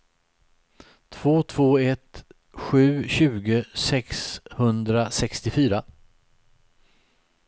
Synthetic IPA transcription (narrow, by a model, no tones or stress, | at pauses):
t̪ʰv̥oːt̪ʰv̥oːɛt̪ | ɧʉ̟ːɕʉ̟ːɡəsɛkshɵnd̪ɾasɛkst̪ɪfyːɾa